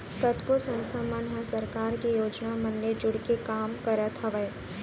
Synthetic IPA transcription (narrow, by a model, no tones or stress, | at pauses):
kɐt̪kosɐ̃nst̪ʰamənɦəsɐɾkaːɾkijoːd͡ʒnamɐnled͡ʒʊɽkekaːmkɐɾət̪ɦɐʋəj